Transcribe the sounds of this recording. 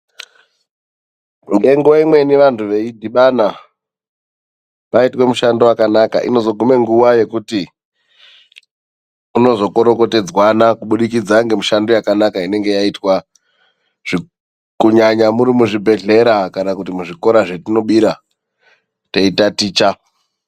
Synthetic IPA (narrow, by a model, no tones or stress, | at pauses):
ŋɡe̞ŋɡuwaimwe̞niʋantʰuʋe̞idʱiɓana | paitwe̞muʃandowakanaka̰ʔḭno̞zo̞ɡʱume̞ŋɡuwaje̞kuti | uno̞zo̞ko̞ɾo̞ko̞te̞d͡zwanakuɓuɗikid͡zaŋɡe̞muʃandojakanakaine̞ŋɡe̞jaitwa | ʐ̥i | kuɲaɲamuɾimuʐibʱe̞ɮe̞ɾakanakutimuʐiko̞ɾaʐe̞tino̞ɓiɾa | teitatiːt͡ʃa